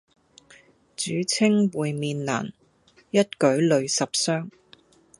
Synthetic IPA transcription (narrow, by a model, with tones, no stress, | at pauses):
t͡ʃyː˨˥t͡sʰɪ˥ŋwuː˨jmiː˨˧nla̰ː˨˩n | jɐ˥t̚kɵ˨˥ɥlɵ˨˧ɥsɐ˨p̚sœː˥ŋ